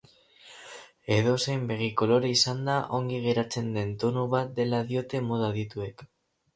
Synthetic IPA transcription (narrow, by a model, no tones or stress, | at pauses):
e̞ðo̞se̞mbe̞ɣiko̞lo̞ɾeisand̪aʔo̞ŋɡiɣ̞e̞ɾat͡se̞nd̪e̞nt̪o̞nuβat̪̚d̪e̞laðjo̞t̪e̞moð̞að̞it̪ue̞k